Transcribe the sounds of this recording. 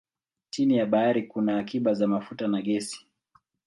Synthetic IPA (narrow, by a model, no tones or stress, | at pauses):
t͡ʃinijaɓaaɾikunaːkiɓazamafutanaɠɛsi̥